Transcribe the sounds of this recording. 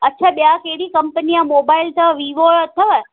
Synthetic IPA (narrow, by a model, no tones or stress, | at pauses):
ətːʃʰaɓjakeɽikəmpəniãmobailt̪əʋiʋoɭət̪ʰəʋə